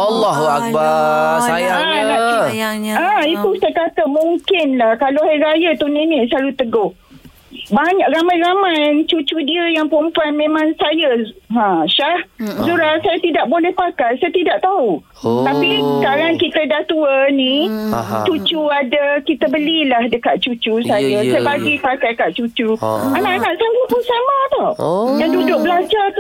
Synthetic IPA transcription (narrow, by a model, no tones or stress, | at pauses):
alːaɦuak̚baaalaiãit̪usajakat̪əmuŋkɪnlahkalaɦajɾajət̪uninislalut̪əɡʊh | baɲak̚ɾamãjɾamãjt͡ʃut͡ʃudiəjaŋpumpanmẽmãŋsajaɦãʃahsuɾatsajat̪idaʔbolɛhpakajsajat̪idaʔt̪au | t̪apiskaɾankit̪ədat̪uənĩ | t͡ʃut͡ʃuadakit̪əbəlilahdəkat̪̚t͡ʃut͡ʃusajasajabaɡipakajkat̪̚t͡ʃut͡ʃuanaʔanaʔsand͡ʒukusamãt̪ɔjaŋdudʊk̚bəlad͡ʒat̪